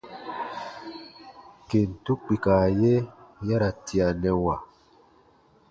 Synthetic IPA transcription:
ke˨n̩˨tu˦k͡pi˨kaː˨je˦ja˦ɾa˨tʰi˨a˨nɛ˨wa˨

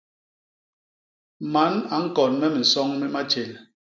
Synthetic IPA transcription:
ma˨˦na˨ŋ̩˦kɔ˨nmɛ˦mi˨n̩˨sɔ˦ŋmi˦ma˦t͡ʃe˨n

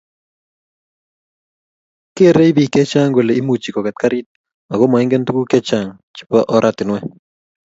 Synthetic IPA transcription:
ke˦˨ɾe˦i˦bi˨kɛ˦t͡ʃa˦ŋɡwe˨le˨i˦mu˨t͡ʃi˨kɔ˨kɛ˨t̪̚ka˦ɾi˦t̪̚ | a˨ɡo˦ma˨i˦ŋɡe˦nt̪u˦ku˦kɛ˦t͡ʃa˨ŋ | t͡ʃi̥˨pɔ˦ʔɔ˦ɾʔat̪ɪ˨nwɛ˦

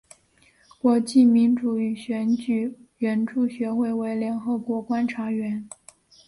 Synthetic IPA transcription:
kwɔ˧˥t͡ɕi˥˩mi˧˥nʈ͡ʂu˨˩y˨˩ɕɥɛ˧˥nt͡ɕy˨˩ɥɛ˧˥nʈ͡ʂu˥˩ɕɥɛ˧˥xwe˥˩ɪwe˧˥ɪljɛ˧˥nxɤ˧˥kwɔ˧˥kwa˥nʈ͡ʂʰa˧˥ɥɛ˧˥n

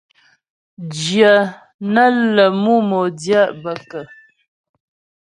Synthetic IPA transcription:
d͡ʒjə˨ | nə˦lə˨mu˦mo˨dja˦˨ʔbə˨kə˨

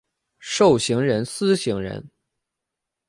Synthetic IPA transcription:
ʂo˥˩ʊɕi˧˥ŋɻə˧˥nsɹ̩˥ɕi˧˥ŋɻə̰˧˥n

